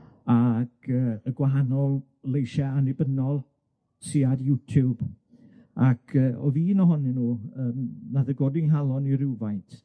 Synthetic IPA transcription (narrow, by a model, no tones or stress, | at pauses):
aɡʰəːəɡwaɦanɔlˠ | lejʃɛanɪbənɔlˠ | siadjutʰub | akʰəːɔ̰viːnɔɦɔninuːəːmnaðəɡoːdɪŋɦalˠɔniɾɪwvajntʰ